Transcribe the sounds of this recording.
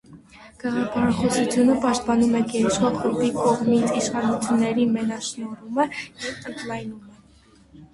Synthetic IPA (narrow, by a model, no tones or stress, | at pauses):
ɡ̥ɛʁɑpʰɑɾɑχɔsut͡sʰjunəpɑʃt̪̚pɑnumɛɡɛɾɛt͡ʃʁɑχubikɔʁmit͡sʰiʃχɑnut͡sʰjunːɛɾimɛnɑʃnɔɾuməjɛvt̪ənɡlɑjnumɛ